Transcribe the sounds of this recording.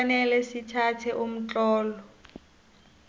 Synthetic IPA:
nɛlɛsitʰatʰɛʔʊm̩t͡ɬʼɔːlɔ

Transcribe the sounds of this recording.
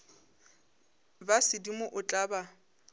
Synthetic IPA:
basɪdimʊʔʊt͡ɬʼaːba

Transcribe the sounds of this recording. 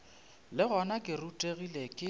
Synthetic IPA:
lɪɣɔnakʼɪrutʼeɣilekʼɪ

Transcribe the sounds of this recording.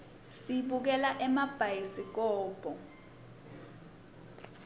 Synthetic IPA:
siɓuk̬ɛlaʔɛmab̥ʱajisik̬ɔːb̥ʱɔ

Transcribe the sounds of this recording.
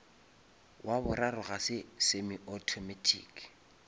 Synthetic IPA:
wʔabʊrarʊɣasɪsemiɔtʰɔmɛtʰḭːk

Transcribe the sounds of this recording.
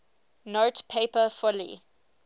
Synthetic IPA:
notpʰeɪpəfɔlḭ

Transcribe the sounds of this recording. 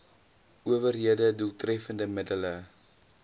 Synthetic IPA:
uəvərɦiədəduəlˠtrɛfəndəmədələ

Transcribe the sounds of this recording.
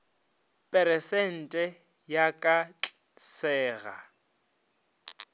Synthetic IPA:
pʼɛɾɛsɛn̩tʼɛ | jakʼat͡ɬʼ | sɛːɣa̰

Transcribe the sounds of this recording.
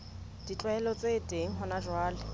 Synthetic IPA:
d̥it͡ɬʼwaɛlɔt͡sʼetʼeŋ̩ɦʊnad͡ʒwaːlɪ

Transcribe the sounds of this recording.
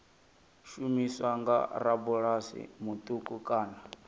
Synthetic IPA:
ʃumiswaŋɡa̰ɾabuɺasḭmut̪ʼukʼukʼaːna

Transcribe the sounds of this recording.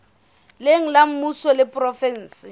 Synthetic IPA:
leŋ̩lam̩musɔlɪpʼrɔfɛn̩ːsɪ

